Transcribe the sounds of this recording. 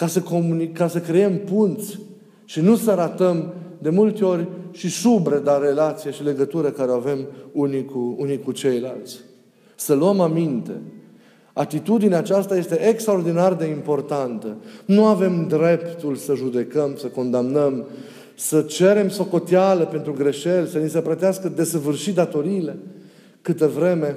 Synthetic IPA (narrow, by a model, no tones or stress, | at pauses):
kasəkomunikːasəkɾee̞mpunt̪sʲ | ʃinusəɾat̪əmd̪e̞mult̪eo̞rʲʃisubɾed̪aɾe̞lat̪sijeʃile̞ɡət̪uɾəkaɾeoave̞munikuunikut͡ʃe̞jlalt̪sʲ | səluəmamint̪e̞̰ | at̪it̪ud̪ineat͡ʃast̪aje̞st̪e̞ʔekst̪ɾaord̪inard̪e̞impo̞rt̪ant̪ənuave̞md̪ɾe̞pt̪ulsəʒud̪e̞kəmsəko̞nd̪amnəm | sət͡ʃe̞ɾe̞mso̞ko̞t̪jaləpe̞nt̪ɾuɡɾe̞ʃe̞lsənisəpɾət̪easkəd̪e̞səvɨrʃit̪d̪at̪o̞ɾiːle̞ | kɨt̪əvɾe̞me̞